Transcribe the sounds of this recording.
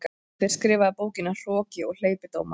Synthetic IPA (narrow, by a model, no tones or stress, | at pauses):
k | ɪɾ̥skɾɪːvaðɪpoːwcɪnːar̥ɔːcɪɔɣl̥eːjpɪt̪oːwma